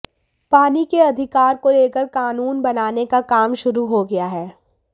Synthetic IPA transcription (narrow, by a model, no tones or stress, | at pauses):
paːnikeɐd̪ʱɪkaːɾkoleːkəɾkaːnuːnbɐnaːnekakaːmʃʊɾuɦoɡɐjaɦɛː